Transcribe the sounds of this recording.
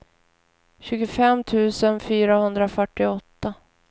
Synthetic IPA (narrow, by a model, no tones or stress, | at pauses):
ɕʉ̟ːɡʊfɛmːt̪ʰʉ̟ːsənfyːɾahɵnd̪ɾafœʈːɪɔt̪ːa